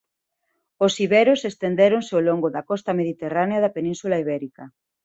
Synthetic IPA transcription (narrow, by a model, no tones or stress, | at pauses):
osiβɛɾosest̪end̪eɾonseoloŋɡoðɐkɔst̪ɐmeðit̪eraneɐðɐpenĩnsulaiβ̞ɛɾikɐ